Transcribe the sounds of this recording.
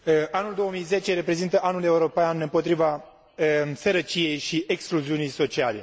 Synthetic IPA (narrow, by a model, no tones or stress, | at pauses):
ʔanuld̪o̞womijzet͡ʃe̞ɾe̞pɾe̞zint̪əʔanule̞uɾo̞panɨmpo̞t̪ɾiva | səɾət͡ʃije̞jʃiʔekskluziunijso̞t͡ʃiale̞̰